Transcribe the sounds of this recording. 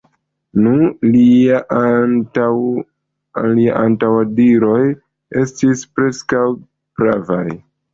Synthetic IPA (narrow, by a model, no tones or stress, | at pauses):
nulia | liaʔantawadiɾo̞j | e̞stispɾe̞skaw | b̥ɾava̰j